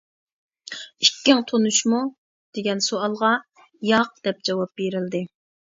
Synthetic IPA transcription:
ikʲːɪŋt̪ʰonuʃmu | d̪̥eɡʲɛnsoɑlˠʁɑ | jɑq̚d̪̥ɛp̚d͡ʒɑwɑp̚beɾɪld̪ɪ

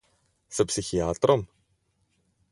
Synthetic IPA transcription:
sepsiçiɐt̪ɾon

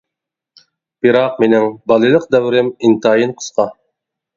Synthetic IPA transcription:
b̥ɨɾɑq̚menɪŋbɑlˠɨlˠəq̚d̪ɛwɾɪmint̪ʰɑːjinqʰə̥sqʰɑ

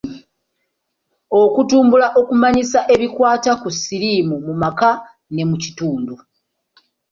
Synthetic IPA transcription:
o̞kutuːmbulaʔo̞kumaɲisaʔe̞βikwaːtakusiɾimumumaka | ne̞mucituːndu

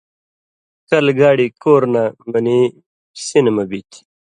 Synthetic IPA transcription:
kɐlɡaːɽikoːɾnamɐni | sinmɐbit̪ʰi̥

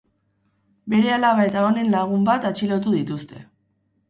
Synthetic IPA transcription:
be̞ɾe̞alaβae̞t̪ao̞ne̞nlaɣ̞umbat̪at͡ʃilo̞t̪̬uð̞it̪ust̪e̞

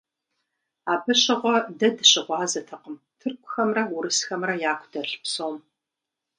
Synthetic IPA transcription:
aːbɐɕɐʁʷɔdɐdɨɕɪʁʷɑːzɐtʰɐqəm | tʰɨrkʷʰʼʊxɐmrɐwʊɾɨsxɐmrɐjaːkʷʰd̥ɐɬpsoːm

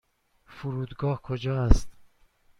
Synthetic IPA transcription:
fuɾuːd̪ɡɒːhkʰod͡ʒɒːæst̪

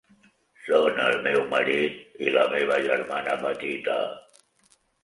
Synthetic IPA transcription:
sonəlmewməɾit̪̚ilameβaʒəɾmanabət̪it̪a̰

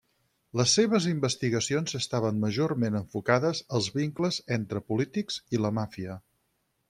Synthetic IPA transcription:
ləsːeβ̞əzimbəst̪iɣəsionzəst̪aβ̞ənməʒoɾmenəɱfukaðəzəlˠzβiŋkləzent̪ɾəpulit̪ikziləmafiə

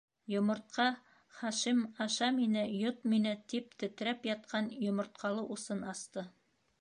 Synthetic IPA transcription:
jŏmŏɾt̪̚qɑ | χɑʃimɑʃɑminɘjot̪̚minɘt̪ip̚t̪ɵ̆t̪ɘ̆ɾæpjɑt̪̚qʰɑnjŏmŏɾt̪̚qɑlˠɤʔusɤnɑst̪ɤ

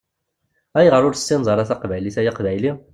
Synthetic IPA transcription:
æjʁəɾˤʊɾsːinzˤɑɾˤɑθæqvæjliθæjaqvæjli

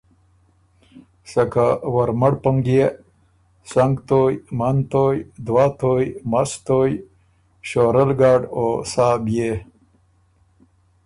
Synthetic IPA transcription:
sɐkawaɾmaɽpuŋɡie | saŋɡt̪oːjmant̪oːjd̪wat̪ojmast̪oːj | ɕoːɾəlɡaːɖosaːbje

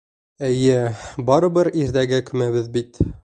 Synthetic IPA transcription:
æjɘbɒɾɤ̆bɤɾiɾd̪æɡækɵ̆mæβɘðbit̪

